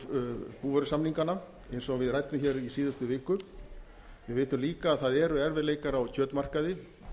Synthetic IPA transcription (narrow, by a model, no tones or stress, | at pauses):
puːvœɾʏsamniŋkanːa | ejnsɔɣvɪðrajt̪nʏmçɛɾisiːðʏst̪ʏvɪːhkʏ | vɪveːjt̪ʏmliːkaːðθaðɛɾʏɛɾvɛɾleːjkaɾawcʰœːt̪mar̥kaðɪ